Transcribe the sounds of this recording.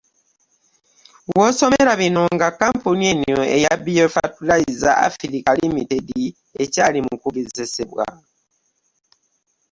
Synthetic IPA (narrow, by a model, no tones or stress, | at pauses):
wo̞ːso̞meɾaβino̞ŋɡakːampunienoe̞jabijofa̰tulaizaa̰filikalimitedi | e̞caːlimukuβizeseβwa̰